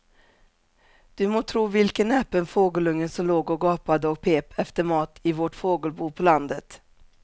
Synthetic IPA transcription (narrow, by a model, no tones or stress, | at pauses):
d̪̥ɵmoːt̪ʰɾuːvɪlkənɛpːənfoːɡəlɵŋːənsɔmloːɡɔɡɑːpad̪əɔk̚pʰeːpʰɛft̪əɾmɑːt̪ʰɪvɔʈfoːɡəlbuːpʰɔland̪ət̪